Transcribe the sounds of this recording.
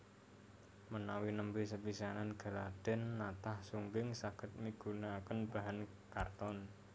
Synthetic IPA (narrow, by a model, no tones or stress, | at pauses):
mənawinəmpisəpisananɡ̥a̤lad̪̥ɛ̤nːat̪ahsuŋɡɪŋsaɡ̥ə̤t̪̚miɡ̥unakənb̥a̤ɦan | kart̪ɔn